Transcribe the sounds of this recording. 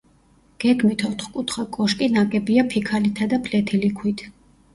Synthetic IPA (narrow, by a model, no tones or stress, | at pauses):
ɡ̥ɛɡmit̪ʰɔt̪ʰχkʼut̪ʰχakʼɔʃkʼinakʼɛbiapʰikʰalit̪ʰad̪apʰlɛt̪ʰilikʰwit̪ʰ